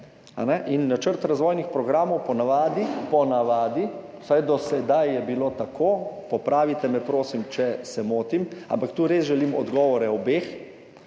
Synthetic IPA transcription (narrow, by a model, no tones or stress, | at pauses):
a̰nɛʔinːat͡ʃəɾt̪ɾazʋoːjnixpɾɔɡɾaːmɔwpɔnaʋaːd̪ipɔnaʋaːd̪i | wsajd̪ɔsɛd̪ajjɛbilot̪akʰoːpɔpɾaːʋit̪ɛmɛpɾoːsimt͡ʃɛsɛmoːt̪ima̰mpakt̪uːɾesʒɛliːmɔd̪ɡɔːʋɔɾɛɔbeːx